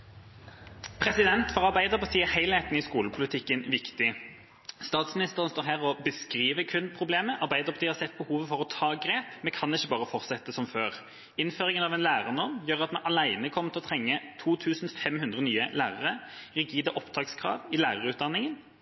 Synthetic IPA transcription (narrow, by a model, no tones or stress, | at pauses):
pʰʁɛsɪd̪ɛnt̪fɔʁɑʁbæɪd̪əʁpɔsiːəʁhæɪlhɛɪt̪n̩ɪskuːləpʰʊlɪt̪ʰɪkːənʋɪkt̪ɪ | st̪ɑːt̪smɪnɪst̪əʁənst̪oːʁɦæːʁɔbəskʁiːʋəkʰʉnpʰʁʊbleːməʔɑʁbæɪd̪əʁpɔt̪ɪhɑɾsɛt̪̚ːbəhuːʋəfɔʁɔt̪ʰɑːɡʁeːpmɛkʰɑnɪçːəbɑːʁəfɔʁt̪sɛt̪ːəsɔmføːʁ | ɪnføːʁɪŋənɑʋɛːnlæːʁənɔʁmjøːʁɑt̪mɛnʔɑlæɪnəkʰɔmːət̪ʰɪlɔt̪ʰʁɛŋːət̪ʰuːt̪ʰʉːsn̩fɛmhʉnd̪ʁənyːəlæːʁəʁəʁɛɡiːd̪əʔɔpd̪ʰɑːkskʰʁɑ̰ːʋɪlæːʁəʁəʉːt̪̚d̪ɑnːɪŋən